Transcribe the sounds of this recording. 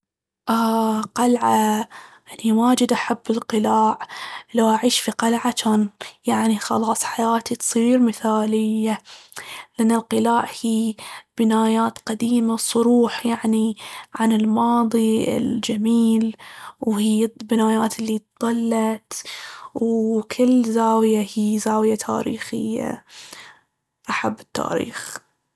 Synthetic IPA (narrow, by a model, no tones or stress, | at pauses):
ʔaːqalʕajaniwaːd͡ʒɪd̪ʔaħabːɪlqɨlaːʕlawʔaʕiːʃfiqalʕat͡ʃaːnjaʕnixɑ̰lɑːsˤħajaːt̪it̪sˤiːɾmɪθaːlɪjːa | lʔanːalqɨlaːʕhiːb̥ɪnaːjaːt̪qad̪iːmasˤʊɾuːħjaʕniʕanɪlmɑːðˤiɪ̰ld͡ʒamiːlwhiːbɪnaːjaːt̪ɪlːit̪ðˤɑlːɑt̪wkʰɪlːzaːwjahiːzaːwjat̪ʰa̰ːɾḭːxɪ̰jːa̰ | ʔaħabːɪ̥t̪ːa̰ːɾḭːx